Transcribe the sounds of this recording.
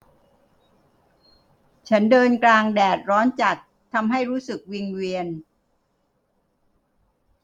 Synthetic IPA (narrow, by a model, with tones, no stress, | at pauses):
t͡ɕʰa˦˥ndɤː˧nklaː˧ŋdɛː˨˩t̪̚ɾɔː˦˥nt͡ɕa˨˩t̪ʰːa˧mɦa˥˩jɾuː˦˥sɯ˨˩k̚wi˧ŋwiː˧ən